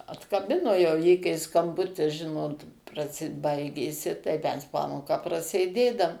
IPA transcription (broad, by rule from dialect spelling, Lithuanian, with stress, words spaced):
ɐtkɐˈbʲɪnoː jɛʊ ˈjiː kɐɪ skɐmˈbʊtʲɪs ˈʒʲɪnoːt prɐˈsʲɪ ˈbɐɪɡʲeːsʲɪ tɐɪ ˈmʲɛs ˈpɑːmoːkɑː prɐsʲeːˈdʲeːdɐm